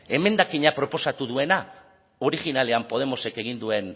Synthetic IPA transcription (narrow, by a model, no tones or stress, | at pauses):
e̞me̞nd̪akiɲapɾo̞po̞sat̪uðue̞na | o̞ɾiɣinale̞ampo̞ð̞e̞mo̞se̞ke̞ɣ̞ind̪ue̞n